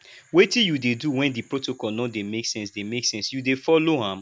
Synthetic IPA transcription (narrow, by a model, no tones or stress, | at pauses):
wetĩjudeduwɛ̃ndipɹotokɔlnɔdemeksɛ̃nsdemeksɛ̃nsjudefɔloɦãm